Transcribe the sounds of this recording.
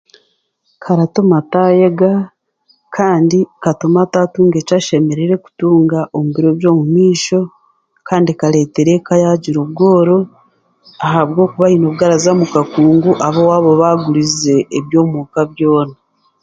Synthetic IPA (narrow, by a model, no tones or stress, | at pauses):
kʰaɾatomatajeɡa | kʰaːndikatomatatuːŋɡe̞t͡ʃaʃe̞me̞ɾeɾe̞ku̥tuːŋɡaʔomuβiɾo̞βjo̞ːmumiːʃo̞ | kaːndikaɾe̞ːte̞ɾekajaɟiɾoβ̚ɡo̞ːɾo | aɦaβɡo̞ːkuβainoβɡaɾazamukakuːŋɡuʔaβowaːβo̞βaɡuɾize̞ːβjo̞ːmukaβjo̞ːna